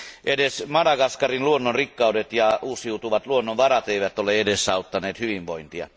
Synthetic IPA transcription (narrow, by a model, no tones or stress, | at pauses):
ʔedesmɑdɑɡɑskɑrinluonːonrikːɑudet̪jɑuːsiut̪uʋɑt̪luonːoʋʋɑrɑt̪eiʋæt̪oleedesːɑut̪ːɑneːt̪hyʋiʋʋo̰int̪iɑ̰